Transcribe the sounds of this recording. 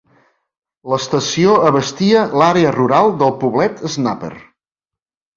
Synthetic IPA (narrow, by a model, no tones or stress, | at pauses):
ləst̪əsioəβəst̪iəlaɾeəruɾalˠd̪əlˠpuβlɛt̪ʰəznapə̰r